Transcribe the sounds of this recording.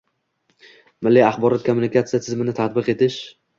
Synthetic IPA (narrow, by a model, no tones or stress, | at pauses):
mɪlːiaχbɒɾɒt̪̚kʰomːunɪkʰat̪sijat̪ʰɪzmɪnɪt̪ʰat̪̚bɨqe̞t̪ʰɪʃ